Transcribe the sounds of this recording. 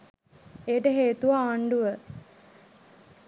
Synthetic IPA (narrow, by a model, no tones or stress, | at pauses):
ejʈəɦeːt̪uʋaːɳɖuʋə